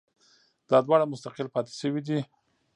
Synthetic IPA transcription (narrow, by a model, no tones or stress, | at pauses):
d̪̥ɑd̪wɑɽamʊst̪aqɪlpɑt̪e̥ʃəwid̪i